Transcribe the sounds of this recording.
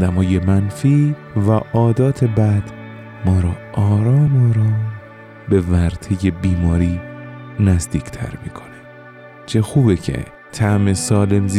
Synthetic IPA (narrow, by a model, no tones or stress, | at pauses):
d̪æmɒːjemænfiː | væʔɒːd̪ɒːt̪ʰe̞bæd̪̥ | mɒːɾɒːʔɒːɾɒːmɒːɾɒːm | be̞væɾt̪ʰeje̞biːmɒːɾiːnæzd̪iːcʰt̪ʰæ̰ɾmiːkʰone | t͡ʃʰexuːbecʰḛ | t̪ʰæme̞sɒːle̞mz